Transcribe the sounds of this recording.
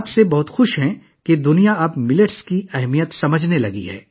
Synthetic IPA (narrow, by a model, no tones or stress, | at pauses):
psebɐɦʊt̪xʊʃɦɛ̃ | ked̪ʊnijaɐbmɪləʈskiɛɦmijət̪sɐməd͡ʒʱnelɐɡḭɦɛ̰ː